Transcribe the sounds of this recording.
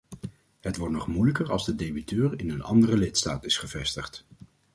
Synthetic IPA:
ɦətʋɔɹtnɔχmujləkəɹɑ̰lˠzdədejbitøːrɪnənɑ̰ndərəlɪtsta̰ːtɪsχəvɛstəχt

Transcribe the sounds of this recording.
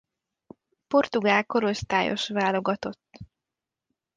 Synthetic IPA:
po̞rt̪uɡaːlko̞ɾo̞st̪aːjo̞̰ʃʋaːlo̞ɡɒt̪o̞t̪ː

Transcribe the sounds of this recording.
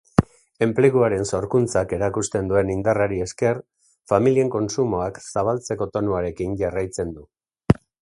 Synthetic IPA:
e̞mple̞ɣuaɾe̞nso̞ɾkunt͡sake̞ɾakust̪e̞nd̪ue̞nind̪araɾie̞ske̞r | familie̞ŋko̞nsumo̞aksaβ̞alt͡se̞ko̞t̪o̞nuaɾe̞kiɲɟarajt͡se̞nd̪u

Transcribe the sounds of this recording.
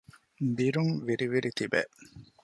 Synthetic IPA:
b̪iɾuŋʋiɾiʋiɾit̪ibḛ

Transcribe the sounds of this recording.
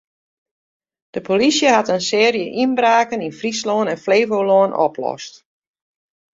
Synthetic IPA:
d̥əpʰolisjəhatənsɪərjəʔinbraːkəninfrisloːnɛnfleːvowloːənʔɔ̰pʰlɔ̰st

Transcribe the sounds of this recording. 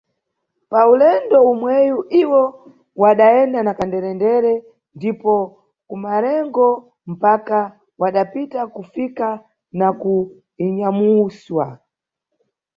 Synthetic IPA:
paulɛndɔumwɛjuʔiwɔ | waɗaɛndanakandɛɾɛndɛɾɛ | ndipɔ | kumaɾɛŋɡɔ | m̩paka | waɗapitakufika | naku | iɲamuswa

